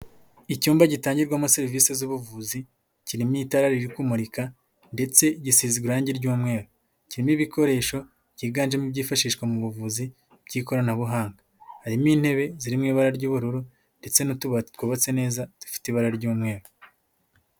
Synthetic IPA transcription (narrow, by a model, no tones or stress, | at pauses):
icuːmbaɟitaːɲɟiɾɡwamuseɾivisezuβuvuːzi | ciɾimitaɾaɾiɾikumuɾika | nde̞t͡se̞ɟisiziɡuɾaːɲɟiɾɟuːmŋe̞ːɾu | ciɾimiβikʰo̞ɾe̞ːʃo̞ | ɟiːɡaːnʒemubɟiːfaʃiːʃkwamuβuvuzi | b̥ɟiːko̞ɾanaβuɦaːŋɡa | haɾimiːn̥he̞βe̞ziɾimŋiːβaɾaɾɟuːβuɾuɾu | nde̞t͡se̞nutuβatwuβat͡se̞ne̞ːzatu̥fi̥tiβaɾaɾɟuːmŋe̞ːɾu